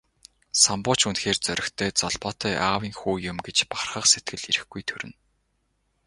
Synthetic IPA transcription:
sampʊːt͡ɕunxeːrt͡sœɾʲɪ̆xt̪ʰeːt͡sɔɮpɔːt̪œːʔaːwiːŋxuːjʊmɡet͡ɕparχə̆qset̪̚ɡɘ̆ɮiɾɘ̆xɡujt̪ʰɵɾɘ̆n

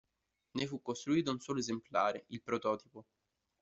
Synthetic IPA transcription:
nefukːost̪ɾuiːt̪̬ounsɔːloezemplaːɾeilpɾot̪ɔːt̪ipo

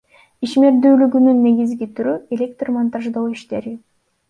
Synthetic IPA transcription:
iʃme̞ɾd̪yːlyɡynynːe̞ɡizɡit̪ʰyɾye̞lʲek̚t̪rmant̪aʒd̪oːiʃt̪e̞ɾi

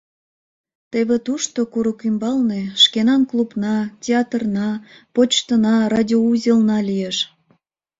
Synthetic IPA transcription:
t̪eβĕt̪uʃt̪okuɾukymbɑlneʃkenɑnklubnɑtʲeɑt̪rnɑpot͡ɕt̪ənɑrɑdʲiouzʲəlnɑlijeʃ

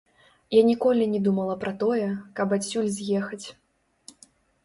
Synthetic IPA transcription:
janʲikɔlʲinʲɛd̪umɐlˠɐpɾɐt̪ɔjɛkɐbasʲːulʲzʲjɛxɐt͡sʲ

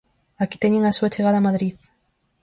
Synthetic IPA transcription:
aki̥t̪ɛɲeŋasuat͡ʃeɣaðɐamaðɾið

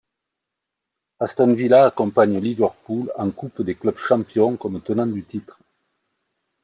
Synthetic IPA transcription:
ast̪ɔnvilaːkɔ̃mpaɲəlivœʁpulɑ̰̃ŋkupd̪eklœbʃɑ̃mpjɔ̃kɔmt̪ənɑ̃d̪yt̪it̪χə

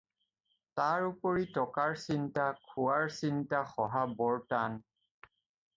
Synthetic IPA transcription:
taɹupoɹitɔkaɹsintakʰuwaɹsintaxɔɦabɔɹtan

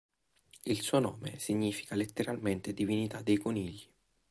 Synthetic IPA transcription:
ilsuːonɔːmḛsiɲːiːfi̥kalet̪ːeɾalment̪ed̪ivinit̪ad̪ːejkoniʎːi

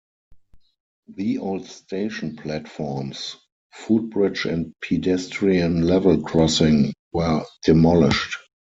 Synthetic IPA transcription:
ðiʔoʊldsteɪʃɔ̃npʰlætfɔɹms | fuːd̚bɹɪd͡ʒɛ̃ntpʰidɛstɹiə̃nlɛvəlkʰɹɔsɪ̃ŋwɜ˞d̥ɪmɔlɪʃt

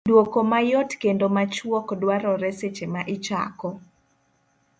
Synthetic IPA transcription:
dwokomajɔtkendomat͡ʃwɔkdwaɾɔɾɛset͡ʃemaʔɪt͡ʃa̰kɔ

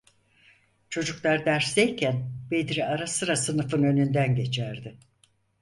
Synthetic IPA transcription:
t͡ʃʰo̞d͡ʒuklˠaɾd̪æɾsd̪ejcʰænbe̞d̪ɾiaɾasɯɾasɯnɯfɯnø̞nynd̪ænɟe̞t͡ʃʰæɾd̪ɪ

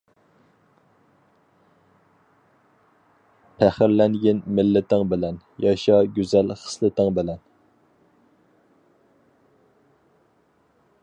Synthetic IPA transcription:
pʰæχɪɾlɛŋɡʲɪnmɪlːɪt̪ʰɪŋbɪlɛn | jɑʃɑɡʲyzɛlχə̥slˠɨt̪ɪŋbɪlɛn

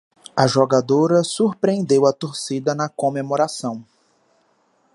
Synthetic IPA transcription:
ɐʒoɡad̪oɾɐsuɾpɾẽnd̪ewɐt̪oɾsid̪ɐnɐkõmemoɾasɐ̃w̃

